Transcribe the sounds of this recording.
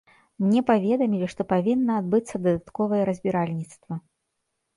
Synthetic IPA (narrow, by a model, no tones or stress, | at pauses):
mnʲɛpavʲɛd̪ɐmʲilʲiʂt̪ɔpavʲinːɐːd̪bɨt̪sːɐd̪ɐd̪at̪kɔvɐjɛɾɐzʲbʲiɾalʲnʲit̪st̪vɐ